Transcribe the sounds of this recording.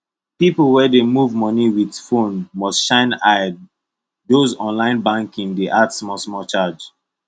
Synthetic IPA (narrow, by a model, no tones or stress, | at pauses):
pipəlˠwɛdemuvmɔniwidfõnmɔstʃãɪ̃naɪd | dozɔ̃nlãɪ̃nbãŋkĩŋdeʔadsmɔsmɔt͡ʃad͡ʒ